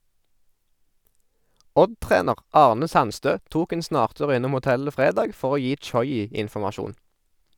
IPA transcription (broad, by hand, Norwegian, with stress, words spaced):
ˈɔdˌtʁeːnəʁ ˈɑːʁnə ˈsɑnˌstøː ˈtuːk ˈeːn ˈsnɑːʁˌtʉːʁ ˈɪnʊm ʊˈtɛlə ˈfʁeːdɑːɡ ˈfɔʁ ˈoː ˈjiː ˈt͡ʃɔʏˌiː ɪnfɔmɑˈʃuːn